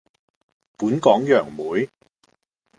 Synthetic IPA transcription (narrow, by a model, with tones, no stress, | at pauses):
puː˨˥nkɔː˨˥ŋjœː˨˩ŋmuː˨˥j